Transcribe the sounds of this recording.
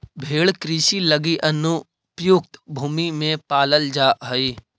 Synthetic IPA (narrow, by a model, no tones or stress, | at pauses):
bʱeːɭkɾiʃiləɡiʔɐnu | pjʊk̚t̪bʱuːmimẽpaːləld͡ʒaːɦəiː